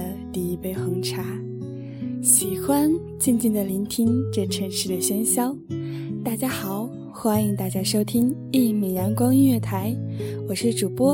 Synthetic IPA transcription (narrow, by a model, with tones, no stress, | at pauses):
t̪i˥˩i˧˥pe˧˥ɪxɤ˧˥ŋʈ͡ʂʰa˧˥ | ɕi˨˩xwa˥n | t͡ɕi˥˧nt͡ɕi˥˩nd̪ə˩li˧˥nt̪ʰi˥ŋʈ͡ʂɤ˥˩ʈ͡ʂʰɤ˧˥ŋʂɻ̩˧˥d̪ə˨ɕɛ˥nɕjɑ˥ʊt̪a˥˩t͡ɕja˥xɑ˨˩˦ʊ | xwa˥ni˧˥ŋt̪a˥˩t͡ɕja˥ʂo˥ʊt̪ʰi˥ŋ | i˥˩mi˨˩jɑ˧˥ŋkwɑ˥ŋy˥˧ɥɛ˥˩t̪ʰa˧˥ɪwɔ˨˩ʂɻ̩˥˩ʈ͡ʂu˨˩pwɔ˥